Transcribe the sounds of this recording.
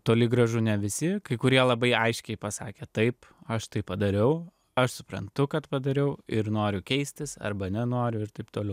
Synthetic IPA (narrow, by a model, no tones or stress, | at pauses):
t̪oːlʲɪɡɾɐʒʊnʲɛʋʲɪsʲɪkɐɪkʊɾʲiɛlˠɐbɐɪɐɪʃʲkʲɛɪpɐsɑ̰ːkʲeːt̪ɐɪpɐʃt̪ɐɪppɐd̪ɐɾʲɛʊ | ɐʃsʊ̥pɾɐ̰nt̪ʊkɐt̪pɐd̪ɐɾʲɛʊɪɾnoːɾʲʊkʲɛɪsʲt̪ʲɪsɐ̰ɾbɐnʲɛnoːɾʲʊɪɾt̪ɐɪpt̪oːlɛʊ